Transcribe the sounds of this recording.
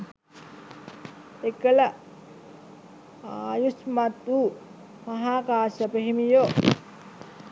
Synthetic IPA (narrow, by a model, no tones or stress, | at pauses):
ekələ | ajusmat̪u | maɦaːkaːsəpeɦimijo